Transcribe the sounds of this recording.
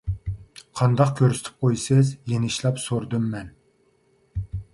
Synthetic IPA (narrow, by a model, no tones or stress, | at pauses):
qʰɑnd̪ɑqkʲʰøɾsɪ̥t̪ʰɪ̥p̚qʰojsɪzjenɪʃlˠɑpsoɾd̪ɨmːɛn